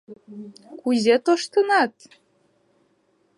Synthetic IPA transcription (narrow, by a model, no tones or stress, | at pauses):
kuzʲet̪oʃt̪ə̆nɑt̪